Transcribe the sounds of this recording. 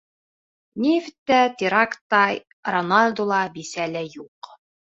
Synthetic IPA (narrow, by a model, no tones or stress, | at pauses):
nʲift̪ːæt̪ʲiɾakt̪ːɑ | ronalʲd̪ulˠɑbisælɘjuq